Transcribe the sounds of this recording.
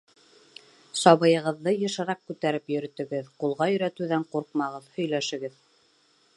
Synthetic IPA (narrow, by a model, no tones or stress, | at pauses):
sɑβɤ̆jɤ̆ʁɤ̆ðːɤjɤ̆ʃɤ̆ɾɑq̚kʉt̪æɾɘpjɵ̆ɾɵ̆t̪ɵ̆ɡɘðqulˠʁɑjɵ̆ɾæt̪ʉðæɴquɾq̚mɑʁɤðhɵ̆jlæʃɘ̆ɡɘð